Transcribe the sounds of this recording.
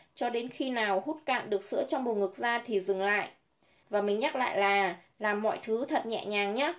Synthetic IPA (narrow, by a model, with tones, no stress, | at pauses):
t͡ɕɔ˧ɗe˨˦nxi˧naː˨˩whu˦˥t̚ka̰ː˧˨mɗɨ˨˩ək̚sɨ̰˧˥ət͡ɕɔ˧wŋ͡mɓo˨˩ŋɨ˨˩k̚zaː˧t̪ʰi˨˩zɨ˨˩ŋla̰ː˧˨jʔ | vaː˨˩mï˨˩ŋ̟ɲa˦˥t̚la̰ː˧˨jlaː˨˩ | laː˨˩mːɔ̰˧˨jt̪ʰɨ˨˦t̪ʰə˨˩t̚ɲɛ̰˧˨ɲaː˨˩ŋɲaː˨˦